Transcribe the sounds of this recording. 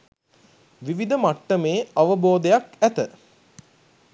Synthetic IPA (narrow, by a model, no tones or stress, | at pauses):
ʋiʋid̪əmaʈːəmeːaʋəboːd̪ejakæt̪ə